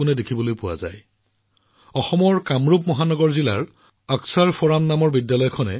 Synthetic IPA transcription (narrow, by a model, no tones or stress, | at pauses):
ʊnɛdekʰibɔlojpʊwa̰za̰j | ɔxɔmɔɹkamɹupmɔɦanɔɡɔɹzilaɹ | aksaɹfɔɹanːamɔɹbidjalɔjkʰɔnɛ